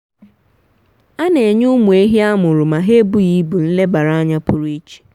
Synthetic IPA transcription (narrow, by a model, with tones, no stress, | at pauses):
a˦ne˨e˨ɲu˦mu˨e˦ɦi˦a˦mʊ˨ɾʊ˨ma˨ɦe˦bʊ˦ji˦bu˨n̩˦le˦ba˨ɾa˦a˦ɲa˦pʊ˦ɾu˦e˦t͡ʃi̥˨